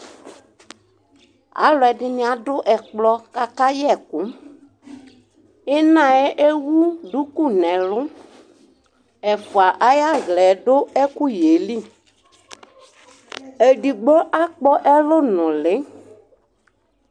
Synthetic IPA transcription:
a̰˨˦lʊ˨ɛ˨dɪ˦nɪ̃˦a˨dʊ˦ʔɛ˨k͡plɔ˧ka˦ka˦jɛ˦˨kʊ˨˦ | ɪ˦nã˨ɛ˦ʔe˦wu˦ɖu˨˦ku˦˨nɛ̃˨lʊ˦ | ɛ˨fʊ˨a˨ʔa˦ja˦ɣlɛ˨dʊ˦ɛ˦kʊ˦je˨˦li˦˨ | e˨di˨ɡ͡bɔ˦ʔa˦k͡pɔ˦ʔɛ˦lʊ˦nʊ̃˨lɪ˨˦

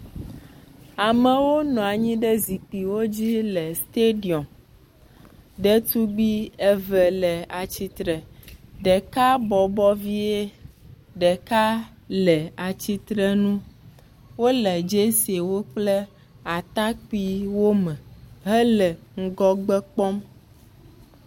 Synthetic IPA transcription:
a˨mɛ˨wo˦nɔ̃˨a˨ɲĩ˦ɖɛ˦zi˨k͡pi˨wo˦d͡ʑi˦lɛ˨st̪e˦ɖi˨ɔ˨m | ɖɛ˦t̪u˦ɡ͡bi˦ɛ˦vɛ˨lɛ˨a˨t͡ɕi˦t̪ɾɛ˨ɖɛ˨ka˦bɔ˨bɔ˦vi˦e˦ | ɖɛ˨ka˦ | lɛ˨a˨t͡ɕi˦t̪ɾɛ˦nũ˦ | wo˦lɛ˨d͡ʒe˦si˨e˨wo˦k͡plɛ˦ | a˨t̪a˦k͡pi˦wo˦mɛ̃˨ɦɛ˦lɛ˨ŋ̩˦ɡɔ˦ɡ͡bɛ˦k͡pɔ˦m

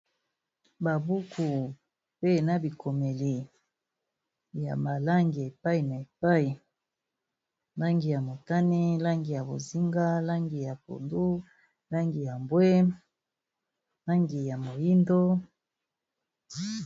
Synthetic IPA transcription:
ba˨bu˦ku˨ | pe˦na˨bi˨ko˨me˨li˨ | ja̰˨ba˨la˦ŋɡi˨a˨e˨pa˦i˨na˨e˨pa˦i˨ | la˦ŋɡi˨ja˨mo˨ta˦ni˦la˦ŋɡi˨ja˨bo̰˨zi˦ŋɡa˦la˦ŋɡi˨ja˨p̚o̰˨ndu˦ | la˦ŋɡi˨ja˨mbwe˦ | la˦ŋɡi˨ja˨mo˨ji˦ndo˦

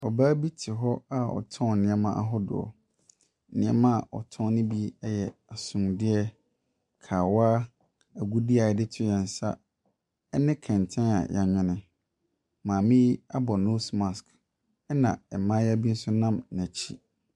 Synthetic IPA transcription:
ɔ˨baː˦bi˦tʰɪ˨ɦɔ˦a˦ɔ̰˨tʰɔ̃˦˨nɪ̃˨ɛ˦mã˦ʔa˦ɦɔ˦dʊ̰˨ɔ̰˨ | nɪ̃˨ɛ˦mã˦a˨ɔ̰˨tʰɔ̃˦nɪ̃˦bi˦ɛ˦jɛ˨a˨sʊ̃˨mdɪ˦ɛ˦ | kʰaː˨waː˦ | æ˨ɡu˦di˦a˨ɛ˦dɪ˦tʰɪ˦jɛ̃˨n̩˨sa̰˦ | ɛ˦nɪ̃˦kʰɛ̃˨n˨tʰɛ̃˦na̰˨jʔa˨ɲᶣɪ̃˦nɪ̃˨ | mãː˨mĩ˦a˦bɔ˨no˦sma˨sk | ɛ˦nã̰˨ɛ˨mã˦jɛ˦bi˦n̩˦sʊ˦nã˦mnæ̃˨t͡ɕʰi˦

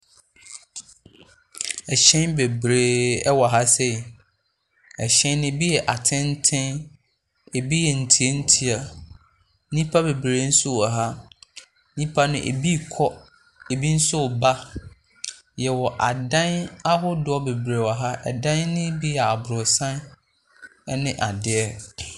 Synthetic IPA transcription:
ɛ˨ɕɛ̃˦nbe˨bɾeː˦ɛ˦wɔ˨ɦa˦sɛ˦˨ | ɛ˨ɕɛ̃˦nː˦ɪ̃˦bi˦jɛ˨ʔa˨tʰɪ̃˦n˦tʰɪ̃˦n | e˨bi˦jɛ˨n̩˨tʰi˨˦e˦n̩˦tʰi˦a˨˦ | nĩ˦pʰa˦be˨bɾe˨˦n̩˦sʊ˦a˨ɦa˦ | nĩ˦pʰa˦nʊ̃˦ʔḛ˨bi˦˨kʰɔ˦ | e˨bi˦n̩˦sʊ˦˨ba˦ | jɛ˨wɔ˨ʔa˨dã˦na˦ɦʊ˦dʊ˨˦ɔ˦be˨bɾe˨wa˨ɦa˦ʔɛ̰˨dã˦nnɪ̃˦bi˦jɛ˨a˨bɾʊ˨sã˦n˦ | nɪ̃˦ʔa˨dɪ˨ɛ˦

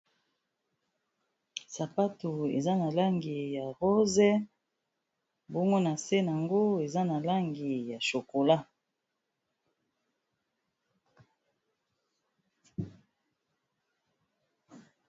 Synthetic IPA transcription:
sa˨pa˦to˨ḛ˨za˦na˨la˦ŋɡi˨ja˨ʁo˦zɛ˦ | bɔ˦ŋɡo˦na˨se˦na˨ŋɡo˦e˨za˦na˨la˦ŋɡi˨ja˨ʃo˨ko˨la˦

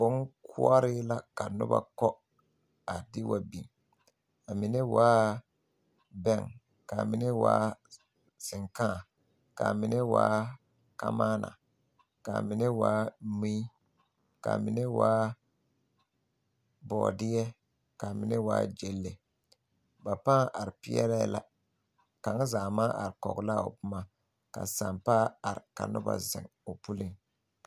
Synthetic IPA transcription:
bʊ˦ŋkʰʊ̰˦a˦ɾɪ˦la˦ka˨nʊ̰˦ba̰˦˨kɔ˦ | a˨dɪ˦wa˨bi˨m | a˨mɪ˨nɛ˦waː˦ | bɛ˦˨ŋ | ka˨mɪ˨nɛ˦wa̰ː˦ | sɪ˨ŋkãː˦˨ | ka̰˨mɪ˨nɛ˦wa̰ː˦ | ka̰˦maː˦na̰˨ | ka˨mɪ˨nɛ˦waː˦mi˦ | ka̰˨mɪ˨nɛ˦waː˦ | bɔː˨dɪ˦jɛ˦ | ka˨mɪ˨nɛ˦waː˦d͡ʒe˦lːe˨ | ba˨paː˦a˨ɾɪ˨pɪ˦ɛ̰˦ɾɛ̰˦la˦ | ka˨˦ŋ˦zaː˨maː˦ʔa˨ɾɪ˨kɔ̰˨ɡla˦˨ʊ˨pʊ˦ma˦ | ka̰˨sa˨mpa˦a˨ɾɪ˨ka̰˨nʊ˦ba̰˨zɪ̰˨ŋʊ˨pu˦lɪ˦ŋ

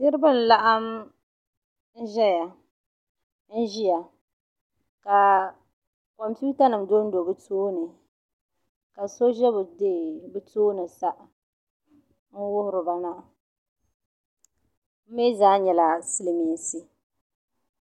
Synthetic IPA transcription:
nɪ˦ɾɨ˦bɨ˦˨n̩˨la˦ʔa˦m | n̩˦ʒɛ˦ja˨ | n̩˦ʒi˦ja˨ | ka˨ | kɔ˨mpu˦ta˦nɨ˨mdo˦n̩˦do˨bɨ˦toː˦nɨ˨ | ka˨so˦ʒɛ˦bʊ˨de˦˨bɨ˦toː˦nɨ˨sa˦ʔ | n̩˦wʊ˦hʊ˦ɾɨ˨ba˨na˦ʔ | m̩˦me˦zaː˦ɲɛ˨la˨si˦lɪ˨me˨n˨si˦

